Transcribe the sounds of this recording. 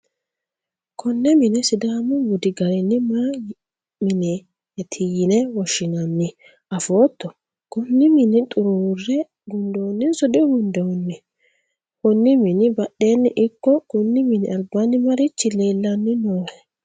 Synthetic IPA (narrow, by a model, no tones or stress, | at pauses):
kʰɔnːɛmɪnɛsɪd̪aːmʊwʊd̪ɪɡɐɾɛnːɪma | mɪne | ɛt̪ʰɪjɪnɛwɔʃːɪnɐnːɪ | ʔɐfoːt̪ːɔ | kʊnːɪmɪnɪt̪ʼʊɾuːrːɛ | ɡʊnd̪oːnːɪnsɔd̪ɛɡʊnd̪ɛwɔnːɛ | kʊnːɪmɪnɪbɐɗeːnːɪʔɪkːɔkʊnːɪmɪnɪɐlbːanːɪmɐɾɪt͡ʃːɪleːlːɐnːɪnoːɛ